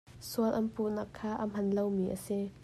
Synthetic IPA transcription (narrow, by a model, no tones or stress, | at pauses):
suəlʔɐnpuʔnakʰːaːʔam̥ɐnlowmiːʔa̰si